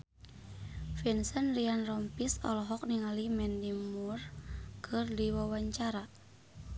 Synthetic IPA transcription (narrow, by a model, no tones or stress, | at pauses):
finsənrianrɔmpisɔ̰lɔɦɔk̚niŋalimɛndimurkʰɨrdiwawaɲt͡ʃaɾa